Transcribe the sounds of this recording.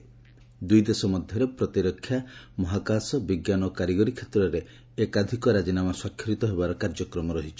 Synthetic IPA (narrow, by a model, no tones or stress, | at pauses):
d̪ujd̪esɔmɔd̪ʱjɔɾepɾɔt̪iɾɔkʰːjamɔɦakasɔbiɡjanɔkaɾiɡɔɾikʰet̪ɾɔɾe | ekad̪ʱikɔɾad͡ʒinamaswakʰːɾit̪ɔɦebaɾɔkaɾd͡ʒɔkɾɔmɔɾɔɦit͡ʃʰɔ̥